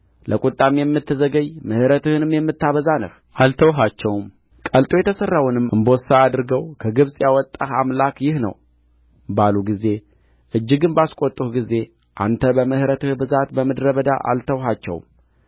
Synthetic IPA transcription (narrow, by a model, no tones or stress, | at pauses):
lʔəkʼut̪ʼːamijɛmːɨt̪ʰːəzəɡəɲmɨhɾət̪ɨhɨnɨmjɛmːɨt̪ːaβəzanə̰h | ʔalt̪ʰəwɦat͡ʃːɛwm | kʼəlt̪ʼo̞jɛt̪ʰəsərːawʊnɨmʔɨmbo̞saad̪ɨɾɡəwkʰəɡɨβsʼjawɔt̪ʼːahamlakjɪhnə̰w | baluɡize̞ | ʔɨd͡ʒːɪɡɨnbaskʷʼot̪ʼːuhɡize̞ | ʔa̰nt̪ʰəbəmɨhɾət̪ɨhbɨzat̪bəməd̪ɾəβəd̪a̰ʔa̰lt̪ʰəwɦat͡ʃːɛ̰w̰m